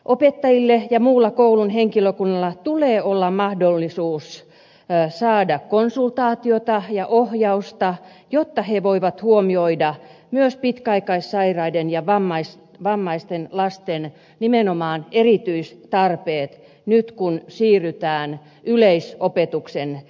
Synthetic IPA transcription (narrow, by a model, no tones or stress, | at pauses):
ʔopet̪ːɑjilːejɑmuːlːɑkoulunheŋkiløkunːɑlːɑt̪uleːolːɑmɑhdolːisuːs | sɑːdɑkkonsult̪ɑːt̪iot̪ɑjɑʔohjɑust̪ɑ | jot̪ːɑheʋoiʋɑt̪huomioidɑmyøspit̪kæɑikɑissɑirɑidenjɑʋɑmːɑis | ʋɑmːɑist̪enlɑst̪en | nimenomɑːnerit̪yist̪ɑrpeːt̪ | nyt̪kunsiːryt̪æːn | yleisopet̪uksen